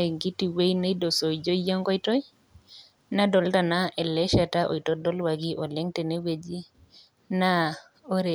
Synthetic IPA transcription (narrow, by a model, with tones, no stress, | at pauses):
e˨ɡi˦ti˨we˦jne˦i˦do˨so˨id͡ʒo˦jɔ˦ŋɡɔ˦i˦tɔ˦j | na˦dɔ˨lta˨na˦ʔɛ˨lɛ˦ʃa˨ta˦ʔo̰˨i˨tɔ˦dɔ˦lwa˨ɡi˦ʔɔ˨lɛ˦ŋte˨ne˦we˨d͡ʒi˦ | na˦ | o˦ɾe˨